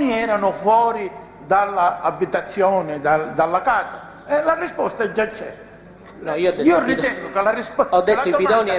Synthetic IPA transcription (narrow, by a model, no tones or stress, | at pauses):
niɛːɾanʊfwɔːɾi | d̪alːaːbːit̪at̪sːjɔːnɪd̪ad̪alːakaːsa | ɛlarispɔst̪aɛd͡ʒːat͡ʃːɛ̰ | iːoiːʊrit̪ɛŋɡʊkalarispɔd̪ːelad̪ɔmiaɔːn